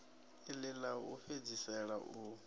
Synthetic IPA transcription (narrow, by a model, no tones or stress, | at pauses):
ilɪlaṵɸed͡zisɛɺaʔu